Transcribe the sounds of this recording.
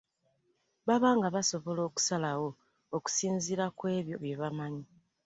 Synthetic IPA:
βaβaːŋɡaβaso̞βo̞lo̞ːku̥salawo̞ː | ku̥siːnziɾakwe̞ːβjo̞̰βje̞βamaɲi

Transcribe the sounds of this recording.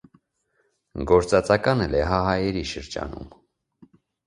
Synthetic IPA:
ɡɔɾt͡sɑt͡sɑkɑnəlɛɦɑɦɑjɛɾiʃəɾd͡ʒɑ̰nṵm

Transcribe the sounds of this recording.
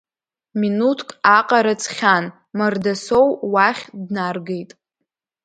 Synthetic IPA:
minutʰkʼaqʼaɾat͡sʰχʲan | mardasowwaχʲdnarɡejtʼ

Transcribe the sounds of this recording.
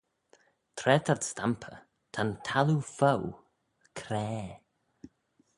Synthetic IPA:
t̪ʰɾɛt̪ʰaɹst̪ampʰə̰ | t̪ʰant̪ʰalufow | kʰɾɛː

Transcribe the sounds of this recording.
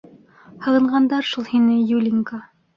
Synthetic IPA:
hɤ̆ʁɤ̆ɴɢɑnd̪ɑɾʃulˠhinɘjulʲiŋka

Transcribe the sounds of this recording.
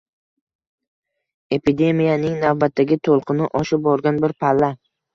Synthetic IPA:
e̞pʰid̪e̞mijanɪŋnavbat̪ʰːaɡʲɪt̪ʰolˠqʰɨnɪʔɒʃɪp̚bɒɾɡʲanbɪɾpʰalːa

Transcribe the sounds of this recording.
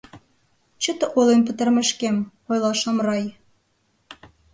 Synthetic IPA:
t͡ɕə̆t̪ə̆ʔolenp̬ə̆t̪ə̆rmɘ̆ʃkem | ojlˠɑʃɑmrɑj

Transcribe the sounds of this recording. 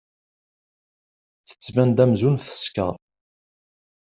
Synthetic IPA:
θə̥t͡sːvænd̪æmzunθə̥skə̰

